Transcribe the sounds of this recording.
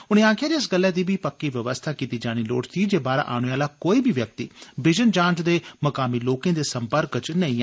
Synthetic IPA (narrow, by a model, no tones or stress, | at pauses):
ʊñẽːaːkʰjaːɾiːɪsɡəlːɛːd̪iːbiːpəkːiːʋəʋəst̪ʰaːkiːt̪iːd͡ʒaːɽ̃iːlo̰ːʈt̪iːd͡ʒeːbaːɾa̰ːʔa̰ːɽ̃eaːlaːkoːiːbʱiːʋjək̚t̪ḭːbɪd͡ʒənd͡ʒãːnt͡ʃd̪eːməkaːmiːloːkẽːd̪eːsəmpəɾkt͡ʃnəĩː